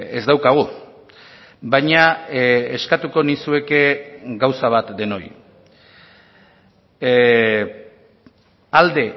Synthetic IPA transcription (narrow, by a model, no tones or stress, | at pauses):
ḛzd̪awkaɣ̞u | bajɲaeskat̪uko̞nisue̞ke̞ɡawsaβ̞at̪d̪e̞no̞j | ald̪e̞